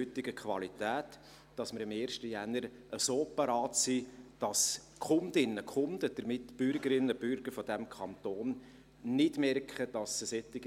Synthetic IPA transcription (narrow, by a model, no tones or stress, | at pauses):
ʏtːɪɡ̥əkʰʋɑlitæːt | d̥ɑsmɪɾɪmeːɾʃtəjænəɾ | ʔəsoːpɑɾɑːtsiːd̥ɑs | kχʊndɪnːəkʰʊnd̥əd̥əɾmɪtb̥ʏɾɡəɾɪnːəb̥ʏɾɡ̥əɾfɔdæmkʰɑnt̪oːn | nɪdmɛrkχəd̥ɑsəsɛt̪ːɪɡ